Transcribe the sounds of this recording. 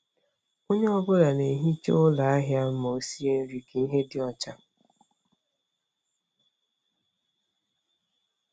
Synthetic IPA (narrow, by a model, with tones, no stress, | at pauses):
o˦ɲe˦ɔ˦bʊ˦ɾa˨ne˨ɦi˦t͡ʃe˦ʊ˦la˨a˦ɦja˦mo˨o˨si˦e˦n̩˦ɾi˨ke˨i˦ɦe˦dɪ˦ɔ˨t͡ʃa˦